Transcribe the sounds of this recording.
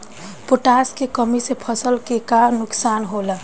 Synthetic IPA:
poʈaːskekəmisepʰəsəlkekanʊksaːnɦoːlə

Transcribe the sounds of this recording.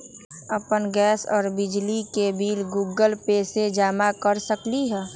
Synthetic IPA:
əpənɡɛːsɔ̰ːɾbɪd͡ʒlikebiːlɡuːɡəlpeːsed͡ʒaːmakəɾsəkliɦɛː

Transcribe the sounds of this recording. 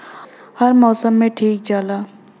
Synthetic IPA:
hɐɾmɔːsəmːẽʈʰiːk̚d͡ʒaːlaː

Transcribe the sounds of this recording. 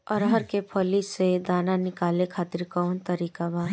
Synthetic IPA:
ɔɾɦəɾkepʰɔlised̪aːnanɪkaːlekʰaːt̪ɪɾkɔʋnt̪əɾiːkabʱaː

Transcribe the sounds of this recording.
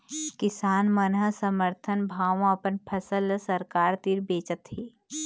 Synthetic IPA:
kɪsaːnmənɦəsəməɾt̪ʰənbʱaːʋɐpənpʰəsəlsəɾkaːɾt̪iɾbeːt͡ʃət̪ɦiː

